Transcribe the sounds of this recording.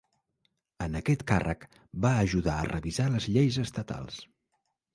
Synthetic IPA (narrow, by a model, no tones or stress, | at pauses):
ənəkɛt̪karʔə̰k | baəʒuðaə̰rʔəβizaləzʎejzəst̪ət̪a̰lˠs